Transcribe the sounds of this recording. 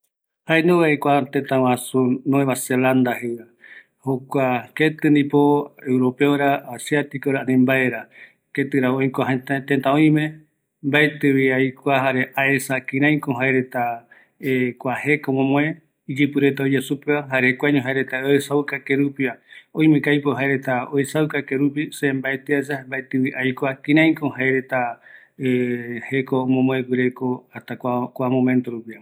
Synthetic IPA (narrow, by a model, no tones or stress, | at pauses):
haẽnd̪oβaekʷat̪ẽt̪ãwãsunõeβaseland̪aɦewa | hokʷaket̪ɨnd̪ĩpoewɾopeoɾaːsiat̪ikoɾanĩmbaeɾa | ket̪ɨɾaõj̃koaɦẽt̪at̪et̪ãõj̃mẽ | mbaet̪ɨwiajkʷaɦaɾeʔaesakĩɾãj̃kõɦaeɾe̞t̪a | ekʷahe̞komõmõẽ | id͡ʒɨpɨɾe̞t̪aod͡ʒesupeaɦaɾekʷaɲõɦaeɾet̪aoesawkakeɾupiaõj̃mẽkajpoɦaeɾet̪aoesawkakeɾup̬isembaet̪eas̬ambaet̪ɨwiʔajkʷakĩɾ̃ãj̃kõhaeɾet̪a | ehekomõmõewɨɾekoat̪akʷakʷamõmẽnt̪oɾupia